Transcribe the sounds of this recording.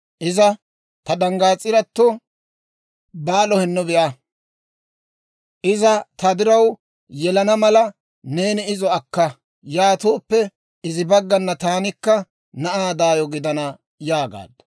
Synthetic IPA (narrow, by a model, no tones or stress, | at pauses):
ʔɪzɐ | t̪ɐd̪ɐŋɡaːt͡sʼːɪɾɐt̪ːɔ | baːlɔhɛnːʊbɛjʔa | ʔɪzɐt̪ɐd̪ɪɾɐw | jɛlɐnɐmɐlɐ | ne̞ːnɪɪzɔɐkːɐ | jaːt̪oːpːɛ | ɪzɪbɐɡːɐnːɐt̪aːnɪkːɐ | nɐʔaːd̪aːjɔɡɪd̪ɐnɐ | jaːɡa̰ːd̪ɐ